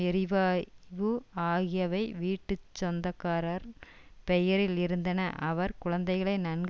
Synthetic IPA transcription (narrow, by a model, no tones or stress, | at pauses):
ɛɾɪʋaːʋɯaːɣɪjɐʋɐɪʋiːʈːɯt͡ʃːɔnd̪ɐkːaːɾɐɾ | pɛjɐɾɪlɪɾɯnd̪ɐnɐʔɐʋɐɾkʊɻɐnd̪ɐɪɣɐɭɐɪnɐnɡ